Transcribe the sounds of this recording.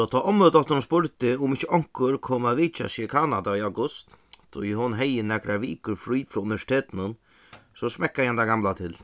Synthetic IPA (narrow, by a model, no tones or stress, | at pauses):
ɔt̪ʰaːʔɔməd̪ɔt̪əɾnspʊɾt̪ɪʊmɪt͡ʃːəʔɔŋ̥kəɾkʰoːmaʋiːt͡ʃa̰sɪkʰaːnad̪aiawɡʊst̪t̪ʰɔ̰jɪɦɔnɦɛjənɛɡɾaʋiːkəɾfɾyːfɾɔːʊnɪʋɛʂɪ̥t̪ʰeːt̪nʊn | sɔsmɛkːahand̪aɡamlat̪ʰɪl